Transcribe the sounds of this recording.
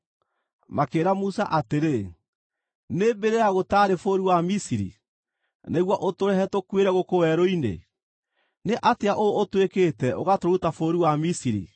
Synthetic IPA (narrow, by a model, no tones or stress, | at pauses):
makeːɾamusa̰ʔateɾe | nebeɾeaɣotaːɾefoɾiwamisiɾḭ | neɣwɔʔotoɾɛɦɛtokweɾɛɣokowɛɾoinḛ | neʔateaʔootwekeːtɛʔoɣatoɾutafoːɾiwamisiɾḭ